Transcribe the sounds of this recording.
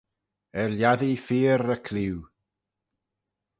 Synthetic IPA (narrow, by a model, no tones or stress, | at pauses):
ɛɾljaðifiːɾəkʰlɪw